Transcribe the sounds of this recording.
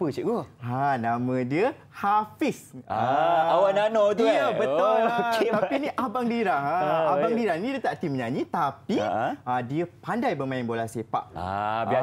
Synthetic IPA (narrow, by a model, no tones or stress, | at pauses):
pət͡ʃiʔɡoanãmə̃diə | hafisaawananɔd̪iəbət̪ɔapinĩʔabaŋliɾahaabaŋdiɾahnĩdət̪aʔt̪iməɲaɲĩt̪apiadiəpandajbəmãɪnbolahsepa̰ʔa̰